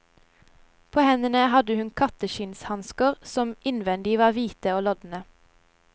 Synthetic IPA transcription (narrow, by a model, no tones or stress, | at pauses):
pʰoːhɛnənəhɑd̪əhʉnkʰɑt̪əʃɪnshɑnskəʁsɔmɪnʋɛnd̪ɪʋɑːʁʋiːt̪əoːlɔd̪n̩ə